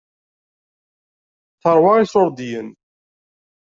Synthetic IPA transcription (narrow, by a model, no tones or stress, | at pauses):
θəɾˤwɑʁisʊɾˤd̪ijən